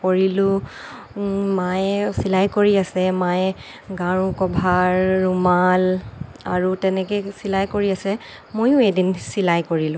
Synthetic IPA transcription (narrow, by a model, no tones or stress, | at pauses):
koɹilʊ̃ | majsilajkoɹiasɛmaj | ɡãɹũkɔbʱaɹːumal | a̰ɹutɛnɛkɛsilajkoɹiasɛ | mojʊedinsilajkoɹilʊ̃